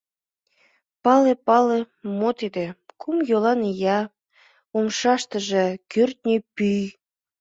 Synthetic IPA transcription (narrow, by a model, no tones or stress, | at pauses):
pɑlepɑle | mot̪id̪ekʰumjolɑnjɑ | omʃɑʃt̪əʒekørt̪̚nʲepyj